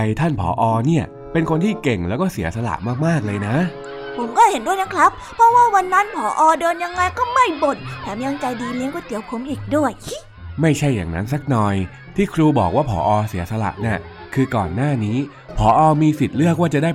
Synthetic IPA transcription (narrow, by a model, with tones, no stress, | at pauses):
a˨˧jt̪ʰa˥˩npʰɔ̰ː˩˦ʔɔː˧niː˥˩ɐ | pe˧nkʰo˧nt̪ʰiː˥˩ke˨˩ŋlɛː˦˥wkɔː˥˩si˩˦ɐsa˧la̰˨˩ʔmaː˥˩k̚maː˥˩k̚lɤː˧jna˦˥ | pʰo˩˦mkɔː˥˩he˩˦ndu˥˩əjna˦˥kʰɾa˦˥ppʰɾɔ˦˥waː˥˩wa˧nːa˦˥npʰɔː˩˦ʔɔː˧dɤː˧nja˧ŋːa˧jkɔː˥˩ma˥˩jmo˨˩t̪̚t̪ʰɛː˨˩˦miː˧ba˧ŋt͡ɕa˧jdiː˧li˧˦˥əŋkɔː˥˩t̪i˩˦əwkʰo˨˦mʔiː˨˩k̚du˥˩əj | ma˥˩jt͡ɕʰa˥˩jːa̰ː˨˩ŋna̰˦˥nsa˦˥k̚nɔː˨˩j | t̪ʰiː˥˩kʰɾuː˧bɔ̰ː˨˩k̚waː˥˩pʰɔ̰ː˩˦ʔɔː˧si˩˦ɐsa˧la̰˨˩ʔni˥˩ | kʰɯː˧kɔː˨˩nːaː˥˩niː˦˥ | pʰɔː˩˦ʔɔː˧miː˧si˨˩t̪̚lɯ˥˩ək̚waː˥˩t͡ɕa˨˩daː˥˩